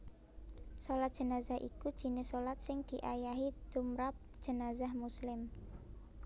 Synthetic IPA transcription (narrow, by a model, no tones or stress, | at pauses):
solat̪̚d̥ʒ̥ə̤nazahʔḭkud̥ʒ̥i̤nɪsolat̪̚sɪŋd̪̥i̤ʔajaɦid̪̥umɾap̚d̥ʒ̥ə̤nazahmuslɪm